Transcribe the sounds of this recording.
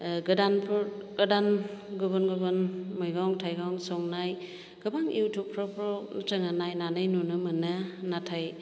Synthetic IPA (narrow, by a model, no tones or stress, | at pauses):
ɡɯdanpʰɡɐdanɡɯbɯnɡɯbɯnmɯjɡawŋtʰajɡawŋsɔŋnaj | ɡ̥ɯbaŋḭwtʰupʰɾɔpʰɾɔnt͡ʃɯŋanajnanɯjnunɯmɯnɯnatʰaj